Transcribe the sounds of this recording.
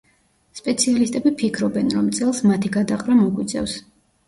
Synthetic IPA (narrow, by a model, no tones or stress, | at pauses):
spʼɛt̪sʰialist̪ʼɛbipʰikʰɾɔbɛnɾɔmt̪sʼɛlˠsmat̪ʰiɡad̪aqʼɾamɔɡwit̪sʼʰɛ̰fs